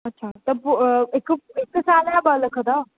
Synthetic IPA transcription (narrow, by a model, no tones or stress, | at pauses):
ɐtːɕʰat̪əpekekːəsalãbələkʰət̪ɔ